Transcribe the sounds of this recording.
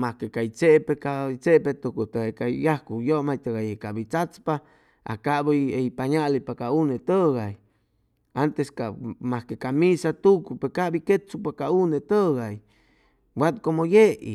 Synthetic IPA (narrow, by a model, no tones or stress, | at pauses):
mahkekajt͡seʔpekat͡sepet̪ukut̪aekajahkujomajt̪aɣajekabit͡sat͡spa | a̰kabiepaɲalipakaunet̪əɡaj | ant̪eskamahkekamisat̪ukpekaʔbiket͡supakaunet̪əɡaj | wat̪komojeḭ